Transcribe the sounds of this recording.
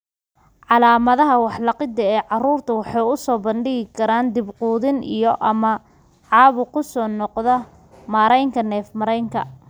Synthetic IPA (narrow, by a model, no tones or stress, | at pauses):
ʕɑlaːmɐðɐɦɐwɑħlɑqɪd̪ɐɛːʕɑruːrt̪ʰɐwɑħɑjʊsɔːbɐnɖɪɣɪkʰɐɾaːnd̪ɪbquːðɪnʔijɔʔɐmɐ | ʕɑːβʊkʰʊsɔːnɔqðɐ | maːɾɛjŋkʰɐnɛːfmɐɾɛjŋkʰɐ̰